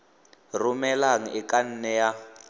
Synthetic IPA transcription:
rumɛlaŋ̩ɪkʼan̩nɛja

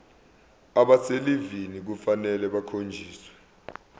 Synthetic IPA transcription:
aɓaselivinik̬ufanɛlɛɓakʰond͡ʒʱiːswɛ̥

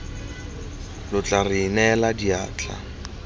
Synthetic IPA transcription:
lʊt͡ɬʼarɪːnɛladiaːt͡ɬʼa̰

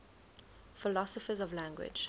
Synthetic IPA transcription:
fɪlɔsəfəzɔvlæ̃ŋɡwɪ̰d͡ʒ

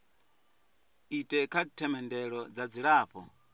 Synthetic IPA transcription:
itʼɛkʰatʰɛmɛndɛɺɔd͡zad͡ziɺaːɸɔ̰

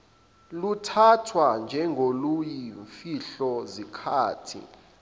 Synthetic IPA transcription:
lutʰatʰwand͡ʒʱɛŋɡʱolujiɱfiɬɔzikʰaːtʰḭ

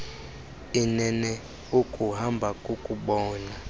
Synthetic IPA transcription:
inɛnɛ | ukʼuɦambʱakʼukʼuɓɔːna

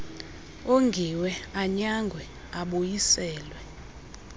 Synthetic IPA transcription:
oŋɡʱiwɛaɲaŋɡʱwɛ | aɓojisɛːlwɛ

